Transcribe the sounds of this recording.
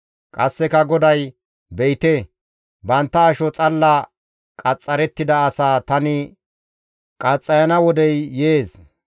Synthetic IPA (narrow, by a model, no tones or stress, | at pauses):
kʼɐsːɛkɐɡɔd̪ɐj | bɛjt̪e | bɐnt̪ːɐːʃɔt͡sʼɐlːɐ | kʼɐt͡sʼːɐɾɛt̪ːɪd̪ɐːsaːt̪ɐnɪ | kʼɐt͡sʼːɐjɐnɐwɔd̪ɛjːeːs